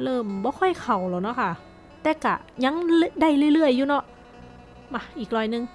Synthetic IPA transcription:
lɤː˧˥˩mbɔː˧˦kʰɔ˧˥˩jkʰa˨˩wlɛː˨˩wnɔ˧˥kʰa˧˩ | t̪ɛː˧˩ka̰˧˩ɲa˧˥ŋlda˧˥˩jlɯ˧˩˨jlɯ˧˩əjːuː˧nɔ˧˥˩ʔ | ma˧˩ʔiː˨˩k̚lɔː˧˩jnɯ˧ŋ

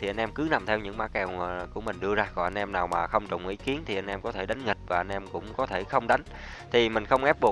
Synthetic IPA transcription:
i˨˩ʔa˧ŋ̟ʔɛ˧mkɨ˨˦na˨˩mt̪ʰɛ˧wɲɨ̰˧˥ŋmaː˧˦˥kɛ˨˩wku˧˩əmï˨˩ŋ̟ɗɨ˧əzaː˧kɔ˨˩ʔa˧n̟ʔɛ˧mnaː˨˩wmaː˨˩xə˧wŋ͡mt͡ɕʊ̰˨˩wŋ͡mʔḭ˧˩ki˨˦ənt̪ʰi˨˩ʔa˧jnʔɛ˧mkɔ˨˦t̪ʰe˧˩ɗa˨˦jŋ̟ŋï˨˩k̟̚vaː˨˩ʔa˧n̟ʔɛ˧mkʊ̰˧˥ŋ͡mkɔ˨˦t̪ʰe˧˩xə˧wŋ͡mɗa˨˦ŋ̟ | t̪ʰi˨˩mï˨˩ŋ̟xə˧wŋ͡mʔɛ˦˥p̚ɓu˨˩ə

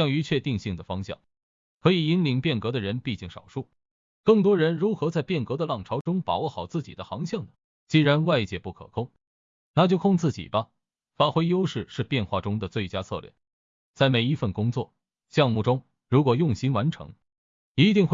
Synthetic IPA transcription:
ɕjɑ˥˩ŋy˧˥t͡ɕʰɥɛ˥˧t̪i˥˧ŋɕi˥˩ŋd̪ə˩fɑ˥ŋɕjɑ̰˥˩ŋ | kʰɤ˧˥i˨˩i˥nli˧˥ŋpjɛ˥˩nkɤ˧˥d̪ə˧ɻə˧˥npi˥˧t͡ɕi˥˩ŋʂɑ̰˨˩ʊʂu˥˩ | kɤ˥˩ŋt̪wɔ˥ɻə˧˥nɻu˧˥xɤ˧˥t͡sa˥˧ɪpjɛ˥˩nkɤ˧˥d̪ə˧lɑ˥˩ŋʈ͡ʂʰɑ˧˥ʊʈ͡ʂʊ˥ŋpa˨˩wɔ˥xɑ˨˩ʊt͡sɹ̩˥˩t͡ɕḭ˨˩d̪ə˦xɑ˧˥ŋɕjɑ˥˩ŋd̪ə˩ | t͡ɕi˥ɻa˧˥nwa˥˧ɪt͡ɕjɛ˥˩pu˥˩kʰɤ̰˨˩kʰʊ˥ŋ | na˥˧˩t͡ɕjo˥˧kʰʊ˥˧ŋt͡sɹ̩˥˩t͡ɕḭ˨˩bɐ˦ | fa˥˩xwe˥ɪjo˥ʊʂɻ̩˥˧ʂɻ̩˥˧pjɛ˥˧nxwa˥˩ʈ͡ʂʊ˥ŋd̪ə˨t͡swe˥˩ɪt͡ɕja˥t͡sʰɤ̰˧lɥɛ̰˥˩n | t͡sa˥˩ɪme˨˩ɪi˧˥fə˥˩nkʊ˥ŋt͡swɔ̰˥˩ | ɕjɑ˥˧ŋmu˥˩ʈ͡ʂʊ˥ŋ | ɻu˧˥kwɔ˨˩jʊ˥˩ŋɕi˥nwa˧˥nʈ͡ʂʰɤ̰˧˥ŋ | i˧˥t̪i˥˧ŋxw

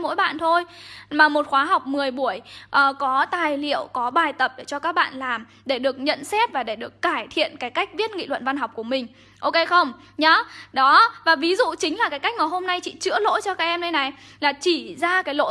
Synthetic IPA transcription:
mo̰˧˥jɓa̰ː˧˨nt̪ʰo˧jmaː˨˩mo˨˩t̚xwaː˨˦ɦa˨˩wk͡p̚mɨ˨˩əjɓu˧˩əjʔəː˨˩kɔ˨˦t̪aː˨˩jlḭ˧˨əwkɔ˨˦ɓaː˨˩jt̪ə˨˩p̚ɗe˧˩t͡ɕɔ˧kaː˦˥k̚ɓa̰ː˧˨nlaː˨˩m | ɗe˧˩ɗɨ˨˩ək̚ɲə̰˧˨nsɛ˦˥t̚vaː˨˩ɗe˧˩ɗɨ˨˩əkːaː˧˩jt̪ʰḭ˧˨ənkaː˨˦jka˦˥jk̟̚vi˦˥ət̚ŋḭ˧˨lwə̰˧˨nva˧nɦa˨˩wk͡p̚ku˧˩əmï˨˩ŋ̟ | ʔo˧ke˧xə˧wŋ͡m | ɲa˨˦ɗɔ˨˦vaː˨˩vi˨˦zṵ˧˨t͡ɕï˨˦ŋ̟laː˨˩kaː˨˦jka˦˥k̚ŋaː˨˩ɦo˧mna˧jt͡ɕḭ˧˨t͡ɕɨ̰˧˥əlo̰˧˥jt͡ɕɔ˧kaː˦˥k̚ʔɛ˧mɗə˧jna˨˩j | laː˨˩t͡ɕi˧˩zaː˧kaː˨˦jlo̰˧˥

